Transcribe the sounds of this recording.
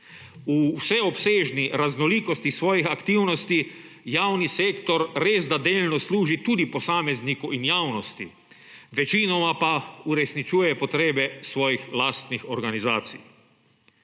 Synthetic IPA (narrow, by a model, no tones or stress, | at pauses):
usɛɔpseːʒniɾaznɔliːkost̪isʋɔːjixakt̪iːwnɔst̪i | jaːwniseːkt̪ɔɾɾeːzd̪ad̪eːlnɔsluːʒit̪uːd̪iposaːmeznikuʔinjaːwnɔst̪ḭ | ʋɛt͡ʃinɔmapauɾɛsnit͡ʃuːjɛpɔt̪ɾeːbɛsʋɔːjixlaːst̪nixoɾɡanizaːt̪sḭj